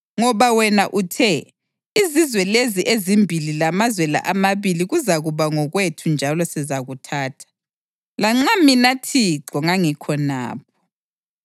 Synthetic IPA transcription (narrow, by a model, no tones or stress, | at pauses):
ŋɔβawɛnaʔutʰɛ | izizwɛleziʔezimbʱililamazwɛla̰ʔamaβiliɣuzaɣuβaŋɔɣwetʰund͡ʒʱalɔsɛzaɣutʰaːtʰḁ | laŋ͡ǁaminatʰiǁɔŋaŋikʰɔna̰ːp̚ʰɔ̥